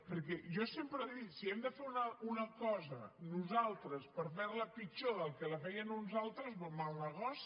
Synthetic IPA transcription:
pəɾkɛʒɔsempɾəðit̪siɛmd̪əfeɾunəunəkɔzə̰nuzalˠt̪ɾəspəɾfɛɾləpit͡ʃoðəlˠkələfɛjənunzalˠt̪ɾəzβomalnəɣɔs

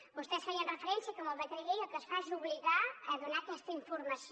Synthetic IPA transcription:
bust̪ɛsfaɲənrəfəɾɛnsjɐkoməlβət̪ɾejejokəsfaʒuβliɣaəðunaɐkɛst̪əiɱfuɾmɐs

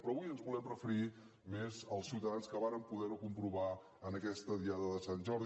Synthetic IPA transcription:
pɾɔːβujənzβulɛmrəfəɾi | mezəlˠsiuwt̪əðanskəβaɾəmpuðɛɾukumpɾuβa | ənəkɛst̪əðiaðəðəsanʲʒɔɾð

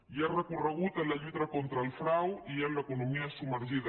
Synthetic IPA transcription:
iarəkurəɣ̞ut̪ənlɐʎut̪ɐkont̪ɾəlfɾawiənləkunumiasuməɾʒiðɐ

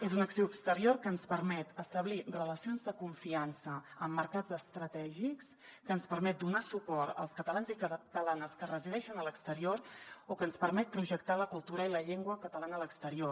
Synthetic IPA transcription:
ezunəksoupst̪əɾioɾkəːnspəɾmɛt̪əst̪əβlirələsionzðəkuɱfiansəəmːəɾkad͡zəst̪ɾət̪ɛʒikskənspəɾmɛt̪̚d̪unasupɔɾə̰lˠskət̪əlanzikət̪əlanəskərəziðɛʃənələkst̪əɾioɾokənspəɾmɛt̪̚pɾuʒəkt̪aləkulˠt̪uɾəiləʎeŋɡwəkət̪əlanələkst̪əɾio

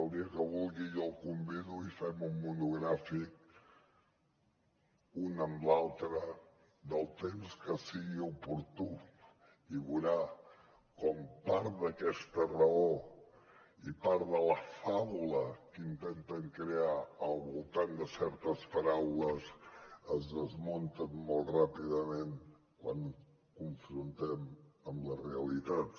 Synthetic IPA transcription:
lˠd̪iəkəβulˠɣijɔlˠkumbiðuifɛmumːunuɣɾafik̚ | unəmlalˠt̪ɾə | ðəlˠt̪emskəsiɣiupuɾt̪u | iβuɾa | kompaɾðəkɛst̪ərəo | ipaɾðələfaβuləkint̪ɛnt̪əŋkɾeaəlˠβulˠt̪and̪əsɛɾt̪əspəɾawləzəzðəzmont̪ənːolˠrapiðəmen | kwaŋ | kuɱfɾunt̪ɛməmləreəlit̪at̪

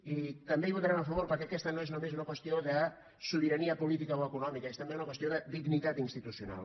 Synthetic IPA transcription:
it̪əmbeiβ̞ut̪aɾanəfəβoɾpəɾkɛɐkɛst̪ənoeznomezunɐkwəst̪ioðə | suβiɾɐniəpulit̪ikəoəkunɔmikəest̪əmbeunəkwəst̪ioðəd̪iɡnit̪at̪inst̪it̪usjuna̰l

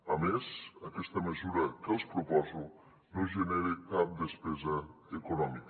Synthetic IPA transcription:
əmezəkɛst̪əməzuɾəkəlˠspɾupɔzu | noʒənɛɾikap̚d̪əspɛzəekunɔmik

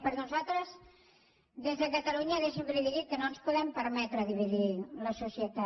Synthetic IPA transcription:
pəɾnuzat̪ɾəz | d̪ezðəkət̪əluɲəðeʃəmpɾiβiðit̪̚kənonspuðɛmpəɾmɛt̪ɾəðiβ̞iðiləsusiət̪a

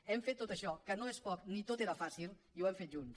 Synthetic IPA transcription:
ɛmfet̪ːot̪əʃɔkənoespɔk̚nit̪ot̪eɾəfasilˠiwɛmfet̪ʒuns

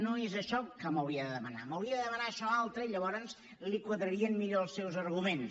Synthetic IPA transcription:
noezəʃɔkəməwɾiəðəðəməna̰məwɾiəðəðəmənaəʃɔalˠt̪ɾəiʎəβɔɾənz | likwəðɾəɾiənmiʎoəlˠsːɛwzərɣumen

